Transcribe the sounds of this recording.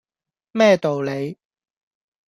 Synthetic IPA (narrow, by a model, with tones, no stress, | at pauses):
mɛː˥˩t̪o˨wle˨˧j